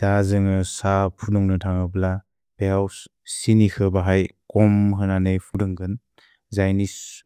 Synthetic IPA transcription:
d̥azɯŋɯsapʰunuŋnɯtʰaŋɯbla | beaws | sinikʰɯbaɦajkɔmɦɯnanejpʰudɯŋɡɯn | zajnis

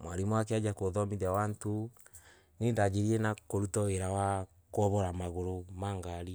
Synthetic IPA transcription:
mwaɾimwak̬ead͡ʒakoðɔmiðawanto | nendad͡ʒeɾienakoɾutɔweɾawa | kɔβɔɾamaɣoɾomaŋɡaɾi

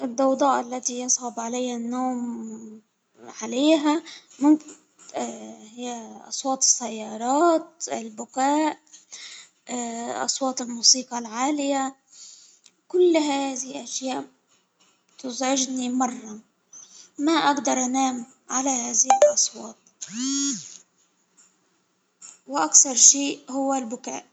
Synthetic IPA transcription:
ʔɪd̪ːɑwd̪ˤɑːʔalːat̪ijɑsˤʕʊbʕalajːanːoːm | ʕaleːɦamʊmkɪ | hɪjːaʔɑ̰sˤwɑːt̪ˤɨ̥sːajːɑːɾˤɑːt̪̚ɪlbʊkaːʔ | ʔɑ̰sˤwɑːt̪ˤɪlmuːsiːqɑlʕaːlɪja | kʊlːɦaːðɪhɪlʔaʃjaːʔ | t̪ʊzʕɪʒnimɑrˤːɑ | maʔaɡd̪ɑɾˤʔanaːm | ʕalahaːðɪhɪlʔɑsˤwɑːt̪̚ | wɪʔakθɑɾˤʃiːʔhʊwːalbʊka̰ːʔ

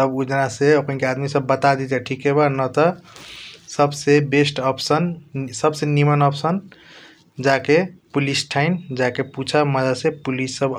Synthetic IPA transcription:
t̪əbud͡ʒənaseəkənkead̪misəbːət̪ad̪it̪eʈʰikɦebanət̪ɔ | səbsebesʈɔpsənsəbsenimənɔpsən | d͡ʒakepulisʈʰaɪnd͡ʒakeput͡ʃʰaməd̪əd̪sepulisːəb

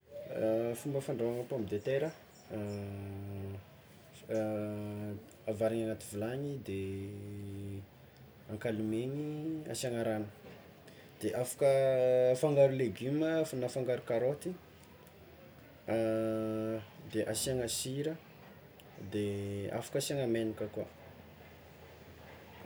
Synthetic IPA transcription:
fumbəfaɳɖ͡ʐoaŋapamid̪et̪eɾə | avaɾiɲanat̪ivulaɲid̪e | aŋkalumeɲia̰siaŋaɾanə̥ | d̪̥eʔafḁkəfaŋɡaɾuleɡyməfunafaŋɡaɾukaɾot̪i | d̪eʔasiaŋasiɾə | d̪ea̰fḁkasiaŋamenikəkua̰

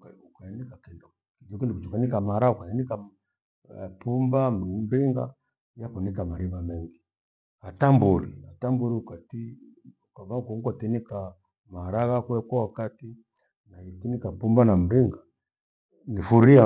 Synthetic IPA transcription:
kaukainikakindɔ | kid͡ʒɔkindikut͡ʃukanikamaɾaukaɛnika | pumbamɾiŋɡa̰ | jakunikamaɾiβamɛŋɡi | atambuɾḭatambuɾiukatiukaβaukuŋkatinika | maɾaɣakɛkwawakati | naikinikapumbanam̩ɾiŋɡa | nifuɾia

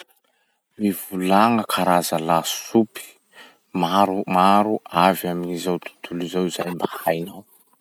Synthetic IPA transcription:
mivulaŋəkʰaɾazəlasupi̥ | maɾumaɾuʔavaminizawt̪u̥t̪ulizawizajmbahajnaw

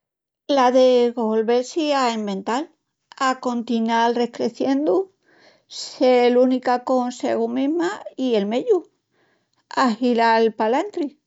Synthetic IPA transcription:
laðeɣolβelsiaembẽ̞nt̪al | ako̞nt̪inalre̞hkɾeθje̞nd̪u | selunikako̞nsḛɣumeɦmaie̞lmeʎu | ahilalpalant̪ɾi

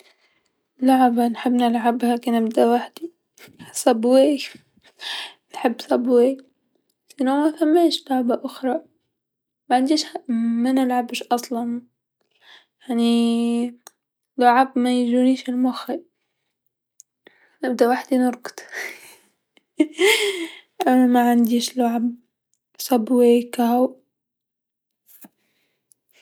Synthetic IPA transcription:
laʕbanħɪbːnɪlʕabhaːkinɪbd̪awaħd̪̥i | sˤɑbweːj | nħɪbːsˤɑbwe | sinomafamːeːʃlaʕbaʔʊxɾˤɑ | maʕɪnd̪iːʃamanɪlʕabʃʔɑsˤlɑn | jaʕni | lʊʕabmajʒuniːʃɪlmʊxi | nab̚d̪awaħd̪inʊɾˤɡt̪ | ʔanamaʕand̪iːʃlʊʕab | sˤabwekahaw

